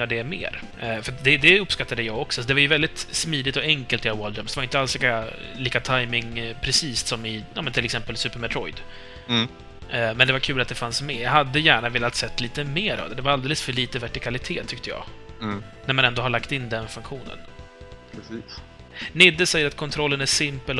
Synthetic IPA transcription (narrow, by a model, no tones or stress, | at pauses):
ɖɛmḛːɾ | fœɾat̪d̪ɛd̪ɛɵpːskat̪ːad̪əjɑːɡɔksɔsɔd̪ɛvaɾjɵvɛld̪ɪt̪smiːd̪ɪt̪ɔɛŋkəlt̪ɪawɔld̪ɾœmsd̪ɛvaɾɪnt̪əalsliːkaliːkat̪ʰajmɪŋpʰɾɛsiːssɔmɪjɑːmɛnt̪ʰɪlɛksɛmpəlsʉ̟ːpəɾmɛt̪ʰɾɔjd̪ | mɛnd̪ɛvaɾkʰʉ̟ːlat̪̚d̪ɛfansmɛːjɑɦad̪ːəjæːɳaveːlat̪sɛt̪ʰːliːt̪əmeːɾʔɑ̰vd̪ɛd̪ɛvaɾald̪eːləsfœɭiːt̪əvæʈɪkʰalɪt̪ʰeːt̪ʰːʏk̚t̪əjɑ̰ːɡ | næɾmanɛnd̪oːhaɭakt̪ɪnːd̪ɛnfɵŋkɧuːnə̰npɾɛsiːs | nɪd̪ːəsɛjːəɾat̪kʰɔnt̪ʰɾɔlːənæʂɪmpəl